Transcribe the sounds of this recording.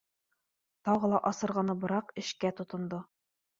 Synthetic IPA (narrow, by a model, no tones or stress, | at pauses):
t̪ɒʁɤlˠɑʔɒsɤ̆ɾʁɑnɤbɤ̆ɾɑqɘ̆ɕkæt̪ŏt̪ɤ̆nd̪ɤ